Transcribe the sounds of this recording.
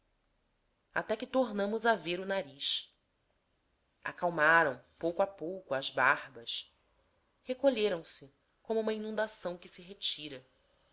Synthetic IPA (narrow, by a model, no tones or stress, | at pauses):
a̰t̪ɛkɪt̪oɾnɐ̃mʊzaveɾʊnaɾiʃ | a̰kawmaɾɐ̃w̃powkʊapowkʊɐzbahbɐʃ | hekoʎeɾɐ̃w̃sɪ | kõmʊũmɐinũd̪asɐ̃w̃kɪsɪɦet͡ʃiɾɐ